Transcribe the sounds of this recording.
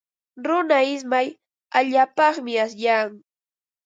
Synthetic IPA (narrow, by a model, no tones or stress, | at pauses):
ɾʊnaɪs̬maj | aʎaːpɑχmɪas̬jaːŋ